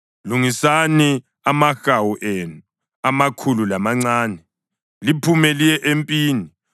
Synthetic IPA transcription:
luŋisani | amaxawuʔenu | amakʰululamaŋ͡ǀaːnɛ | lipʰumɛlijɛʔempʼiːni

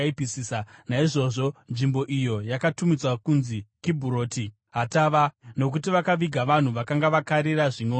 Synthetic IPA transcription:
ipisiːsanaiʐo̞ʐo̞nʐimbo̞ʔijo̞jakatumit͡swakunzikibʱuɾo̞ːti | ɦataʋano̞k̬utiʋakaʋiɡʱaʋan̤uʋakaŋɡaʋakaɾiraʐinoː

